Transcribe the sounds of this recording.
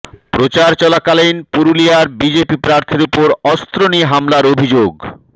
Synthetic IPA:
pɾot͡ɕaɾt͡ɕɔlakalenpuɾulijaɾbid͡ʑepipɾaɾt̪ʰiɾupoɾɔst̪ɾoniɦamlaɾobʱid͡ʑoɡ

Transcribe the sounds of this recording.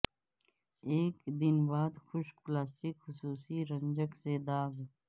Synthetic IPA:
eːkd̪ɪnbaːd̪xʊʃplaːsʈɪkxʊsuːsiɾə̃nd͡ʒəksed̪aːɡ

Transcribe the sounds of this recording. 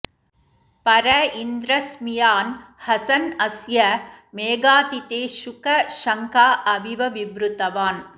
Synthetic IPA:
pɐɾɐind̪ɾɐsmijaːnhɐsɐnɐsjɐmeːɡaːt̪it̪eːʃʊkɐʃɐŋkaːʔɐbʱiʋɐʋibɾɯt̪ɐʋaːn

